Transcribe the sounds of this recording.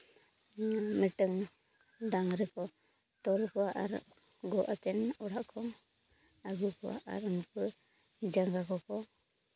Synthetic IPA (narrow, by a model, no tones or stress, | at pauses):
miʈɯŋ | daŋɾɛkʰɔ | t̪ɔɾkɔwaʔa̰ɾ | ɡɔʔat̪ɛnɔɽaʔkʰɔŋ | aɡukʰɔwa̰ʔa̰ɾɯnpɯ | d͡ʒaŋɡakɔkʰɔ